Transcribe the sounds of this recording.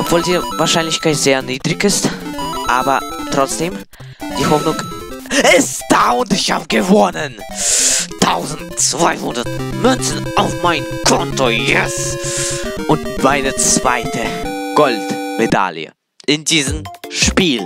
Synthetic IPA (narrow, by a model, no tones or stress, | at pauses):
ʔɔpv̥oːldiːvaːɐʃaɪnlɪçkʰaɪtz̥eːɐniːdʁɪçɪstʔaːbɐtʁ̥ɔt͡sd̥eːm | d̥iːhɔfnʊŋ | ɪsd̥aːʊntɪçha̰ːbəɡəvɔnən | tʰaʊzn̩tt͡sv̥a̰ɪhʊndɐtmʏnsn̩ʔaʊfmaɪnkʰɔntojɛs | ʔʊntmaɪnət͡sv̥a̰ɪtʰəɡ̥ɔltmeda̰ljə̰ | ʔɪndiːzəmʃpiːl